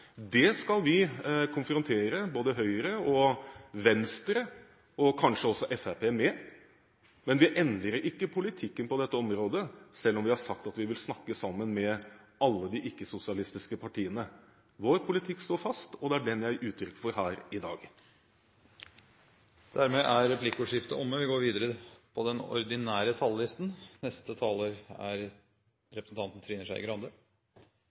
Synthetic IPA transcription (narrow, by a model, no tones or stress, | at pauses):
d̪ɛskɑlʋɪkʰʊnfɾʊnt̪ʰeːɾəboːd̪əɦœʏəɾəɔʋɛnst̪ɾə | ɔkʰɑnʂəɔsɔʔɛfæpʰeːmɛː | mɛnʋɪʔɛnd̪əɾəɾʔɪkːəpʰʊlɪt̪ʰɪkːənpɔd̪ɛt̪ːəɔmɾoːd̪əsɛlːɔmʋɪhɑɾʂɑk̚t̪ɑt̪ʋɪʋɪlsnɑkːəsɑmːənmɛɑlːəd̪ɪʔɪkːəsʊsɪɑlɪst̪ɪskəpʰɑʈʰiːənə | ʋoːɾpʰʊlɪt̪ʰɪkːst̪oːɾfɑst̪ɔd̪ɛæɖɛnjæɪʔʉːt̪ʰɾʏkːfɔɾhæːɾɪd̪ɑ̰ːɡ | d̪̥æɾmeːʔæɾɾɛpʰlɪkːuːʂɪft̪ə̰ʔɔmːəʋɪɡoːɾʋiːd̪əɾəpʰɔd̪ɛnɔ̰ɾd̪ɪnæːɾət̪ʰɑllɪst̪n̩nɛst̪ət̪ʰɑːloːɾæ̰ɾ | ɾɛpɾəsn̩t̪ɑnt̪ən̩t̪ʰɾiːnəʂæɪɪ̰ɡɾɑnd̪ə